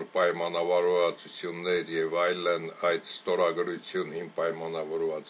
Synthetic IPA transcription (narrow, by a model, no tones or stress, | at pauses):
ɾpɑjmɑnɑvɑɾvɑt͡sut͡sʰjunːɛɾjɛvɑjlənɑjd̪st̪ɔɾɑɡɾut͡sʰjunhimpɑjmɑnɑvɔɾvɑt͡s